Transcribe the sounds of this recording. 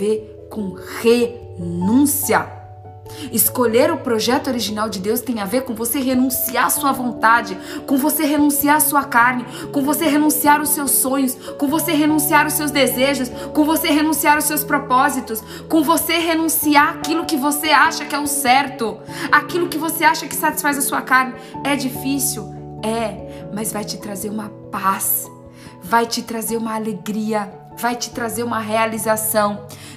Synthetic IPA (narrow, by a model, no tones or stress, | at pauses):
veɾ | kõhe | nũsiɐ | ɪskoʎeɾʊpɾoʒɛt̪ʊoɾiʒinawd͡ʒɪd̪ewst̪ẽj̃aveɾkõw̃voseɦenũsiaɾɐsuɐvõnt̪ad͡ʒɪkõvoseɦenũsiaɾɐsuɐkaɾnɪ | kõvoseɦenũsiaɾʊsewsːõɲʊskõvoseɦenũsiaɾʊsewzd̪ezeʒʊskõvoseɦenũsiaɾʊsːewspɾopɔzit̪ʊs | kõvoseɦenũsiaɾakilʊkɪvoseaʃɐkɪɛʊ̃sɛɾt̪ʊ | akilʊkɪvoseaʃɐkɪ̥sat͡ʃi̥sfajzɐsuɐkaɾnɪɛd͡ʒifisiwɛmɐzvajt͡ʃɪt̪ɾazeɾũmɐpas | vajt͡ʃɪt̪ɾazeɾũmɐːleɡɾiɐ | vajt͡ʃɪ̥t̪ɾazeɾũmɐɦealizasɐ̃w̃